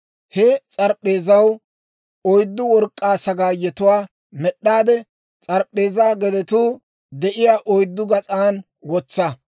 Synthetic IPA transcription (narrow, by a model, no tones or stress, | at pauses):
hɛt͡sʼɐɾpʼːe̞ːzɐw | ɔjd̪ːʊwɔɾkʼːaːsɐɡaːjɛt̪ʊwaː | mɛɗːaːd̪ɛ | t͡sʼɐɾpʼːe̞ːzaːɡɛd̪ɛt̪uː | d̪ɛʔɪjaːʔɔjd̪ːʊɡɐt͡sʼaːn | wɔt͡sːɐ